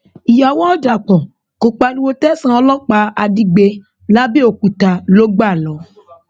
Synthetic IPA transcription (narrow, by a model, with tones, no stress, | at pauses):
i˨ja˨wɔ̃˦da˨k͡pɔ̃˨ | ko˨k͡pa˧nũ˦wo˦tɛ˦sã˦ɔ˧lɔ˦k͡pa˧a˧di˧ɡ͡be˧ | la˦be˦o˨ku˨ta˨lo˦ɡ͡ba˦˨lɔ˨˦